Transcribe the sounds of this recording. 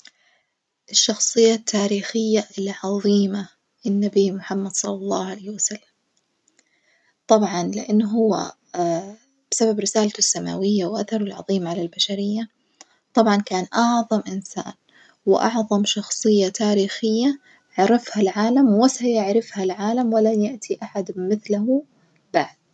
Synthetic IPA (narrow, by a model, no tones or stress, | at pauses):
ʔɪʃːɑxsˤɨjːat̪ʰːaːɾiːxɪjːaʔɪlʕɑðˤiːma | ɪnːabiːmʊħamːad̪̥sˤɑlːɑlˤːɑːhʕalaːhwasalːam | t̪ˤɑbʕɑnlɪʔanːɦʊwːa̰ | b̥ɪsababɾɪsaːlt̪ʊsːama̰ːwɪjːawʔaθɑɾˤʊlʕɑðˤiːmʕalalbaʃaɾɪjːa | t̪ˤɑbʕɑnkaːnʔɑʕðˤɑmʔɪnsa̰ːn | wɪʔɑ̰ʕðˤɑmʃɑxsˤɨjːat̪ʰaːɾiːxɪjːa | ʕɾɪfhalʕaːlamwɪsajaʕɾɪfhalʕaːlamwɪlajaʔt̪ʰiʔaħad̪mɪθlahu | b̥aʕd̪̥̚